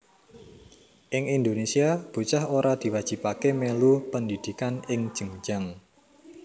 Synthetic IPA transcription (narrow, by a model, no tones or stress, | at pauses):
ʔɪŋind̪onesiab̥ṳt͡ʃahoɾad̪̥i̤wad̥ʒ̥i̤pakemelupənd̪id̪̥i̤kanɪŋ̥ʒ̥ə̤ŋd͡ʒ̥aŋ